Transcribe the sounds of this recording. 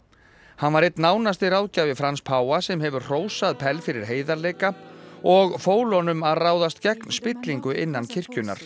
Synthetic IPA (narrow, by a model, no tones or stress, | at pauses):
hanvaɾejt̪naːwnast̪ɪɾaːwcavɪfɾanspʰaːwasɛmɦɛvʏɾr̥oːwsaðpʰɛlfɪɾɪɾ̥ɦeːjðaɾleːjkaɔɣfoːwlɔnʏmaðraːwðast̪cɛknspɪt̪liŋkʏʔɪnːancʰɪr̥cʏna̰ɾ̥